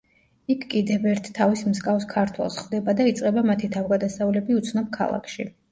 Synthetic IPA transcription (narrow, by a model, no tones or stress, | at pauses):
ikʰkʼid̪ɛvɛɾt̪ʰt̪ʰːavismskʼavskʰaɾt̪ʰwɛ̰lˠsχd̪ɛbad̪ait̪sʼqʼɛbamat̪ʰit̪ʰavɡad̪asaulɛbiut̪sʰnɔb̚kʰa̰lˠa̰kʰʃḭ